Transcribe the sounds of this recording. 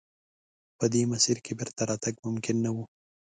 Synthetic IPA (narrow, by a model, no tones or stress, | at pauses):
pəd̪emasiɾkebɪɾt̪aɾɑt̪aɡmʊmkɪnːawu